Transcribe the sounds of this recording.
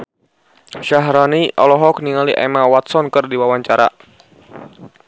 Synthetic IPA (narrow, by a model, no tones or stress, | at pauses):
ʃaɦɾaniʔɔlɔɦɔk̚niŋaliʔɛmawat̪̚sɔnkɨrdiwawaɲt͡ʃaɾa̰